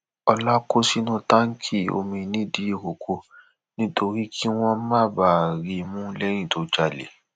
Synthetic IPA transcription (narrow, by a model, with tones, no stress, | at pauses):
ɔ˧la˦ko˦si˦nũ˦ta˦ŋ̩˦kʰi˦˨o̰˧mĩ˧˨nĩ˦di˨˦i˦˨ko˨kʰo˧ | nĩ˦tʰo˧ɾi˦kʰi˦w̃ɔ̃˦mã˦˨ba˨ɾi˨mũ˦lɛ˦j̃ĩ˦˨to˨˦d͡ʒa˨lḛ˨